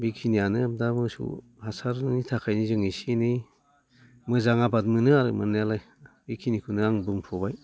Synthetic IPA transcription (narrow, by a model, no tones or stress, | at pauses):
bikʰinijanɯam̚damɯsṵ | hasaɾnnitʰakʰajnizɯŋisinɯ | mɯzaŋabad̚mɯnɯaɾɯmɯnːalaj | bikʰinikʰunɯaŋbɯŋpʰɔbaj